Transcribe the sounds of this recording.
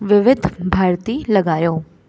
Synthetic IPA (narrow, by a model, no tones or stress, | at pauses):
ʋɪʋɪd̪ʱbʱaːɾt̪iːlɐɡaːjoː